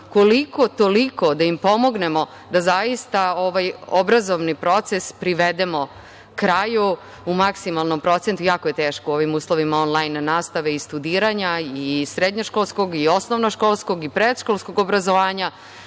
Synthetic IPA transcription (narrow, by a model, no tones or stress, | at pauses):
ko̞liko̞t̪o̞liko̞d̪aimpo̞mo̞ɡne̞mo̞ | d̪azaist̪ao̞ʋajobɾazo̞ʋnipɾo̞t̪sespɾiʋed̪emo̞ | kɾaju | umaksimalˠno̞mpɾo̞t̪sent̪ujaːkojet̪eːʃkoo̞ʋimuːslˠo̞ʋimao̞nlˠajnːaːst̪aʋe̞ist̪ud̪iːɾaɲaisɾed̪ɲoʃkolˠsko̞ɡio̞snoʋnoʃkoːlˠsko̞ɡipɾed̪ʃkolˠskoɡobɾazoʋaːɲa